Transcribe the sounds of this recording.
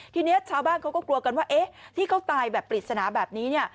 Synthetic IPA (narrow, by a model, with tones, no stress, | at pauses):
t̪ʰiː˧ni˦˥t̚t͡ɕʰaː˧wbaː˥˩nkʰa˦˥wkɔː˥˩klu˧əka˧nwaː˥˩ʔe˦˥t̪ʰiː˥˩kʰa˦˥wt̪aː˧jbɛː˨˩pːli˨˩t̪̚sa˧naː˩˦bɛː˨˩p̚niː˦˥ni˥˩ə